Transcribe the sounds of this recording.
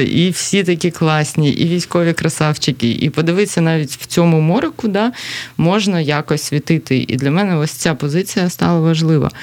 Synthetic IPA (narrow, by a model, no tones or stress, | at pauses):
ʔiwsʲit̪ɐkʲiklˠɑsʲnʲiʔḭʋʲijsʲkɔʋʲikɾɐsɑwt͡ʃɪkʲiʔḭpɔd̪ɪʋɪsʲːɐnɑʋʲitʲw̥t͡sʲɔmʊmɔɾɪkʊd̪ɑmɔʒnɐjakɔsʲʋʲit̪ɪt̪ɪʔḭd̪lʲɐmɛnɛɔsʲt͡sʲapɔzɪt͡sʲijɐst̪ɑlˠɐʋɐʒlˠɪʋɐ̰